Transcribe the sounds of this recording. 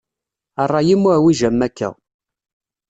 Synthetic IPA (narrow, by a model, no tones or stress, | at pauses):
ərˤːɑjimːuʕwiʒæmːækːæ̰